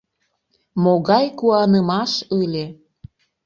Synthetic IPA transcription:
moɣɑjkuɑnəmɑʃəlʲe

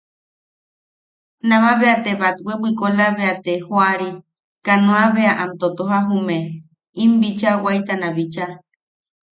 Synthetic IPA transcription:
nãmãβeat̪eβat̪wewʷikolaβeat̪ehoaɾi | kanõaβeaʔamt̪ot̪oɦaɦume | imbit͡ʃawajt̪anaβit͡ʃa

